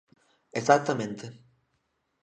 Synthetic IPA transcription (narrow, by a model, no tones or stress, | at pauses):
esak̚t̪amẽnt̪e